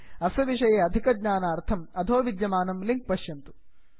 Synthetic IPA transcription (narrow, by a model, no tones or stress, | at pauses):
ɐsɐʋiʂɐjeːɐd̪ʱikɐdɲaːnaːɾt̪ʰɐmɐd̪ʱoːʋid̪jɐmaːnɐmliŋk̚pɐʃjɐnt̪u̥